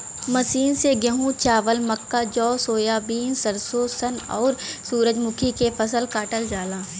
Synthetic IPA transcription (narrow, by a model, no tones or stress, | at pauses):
mɐsiːnseɡəɦũt͡ʃaːʋəlmɐkːad͡ʒɔːsoːjaːbiːnsɐɾsosənɔːɾsuːɾəd͡ʒmʊkʰikepʰɐsəlkaːʈəld͡ʒaːlaː